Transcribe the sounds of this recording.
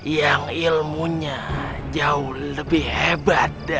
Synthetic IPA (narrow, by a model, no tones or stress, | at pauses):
jaŋilmuɲa | d͡ʒaʊhləbɪhhebat̪̚